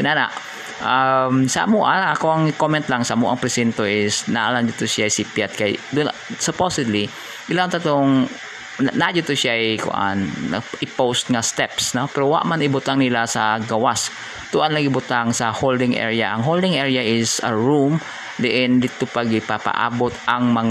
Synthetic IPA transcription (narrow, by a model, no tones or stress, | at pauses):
ɪnana̰ʔ | ʔamsɐʔɐmuʔaʔɐkowɐŋkomɛnt̪laŋsɐʔɐmuʔɐ̰ŋpɾɛsɛnt̪oʔɪsnaʔaland͡ʒʊt̪ʊsjaɐjsipjat̪̚kajd̪ʊnsoposɪd̪li | ʔɪlaŋt̪ɐt̪oŋ | nad͡ʒʊt̪ʊʃjajkʊ̰ʔa̰nːɐ̰ʔɪpowst̪̚ŋɐst̪ɛpsnopɛɾowa̰ʔmanɪbʊt̪aŋnɪlasɐɡɐwas | t̪ʊʔanlɐɡɪbʊt̪aŋsɐhold̪ɪŋʔɛ̰ɹijaʔɐŋɦold̪ɪŋʔɛɹjaʔɪsɐ̰ɹum | d̪ɪʔɪnd̪ɪt̪opaɡɪpapa̰ʔa̰ːbot̪ɐŋmɐŋ